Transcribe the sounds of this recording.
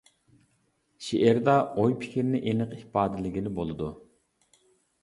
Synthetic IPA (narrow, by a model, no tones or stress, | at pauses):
ʃeʔeɾd̪ɑojpʰɪ̥kʲʰiɾɪnɪʔenɨqihpɑːd̪ɪlɪɡʲilɪbolˠɨd̪u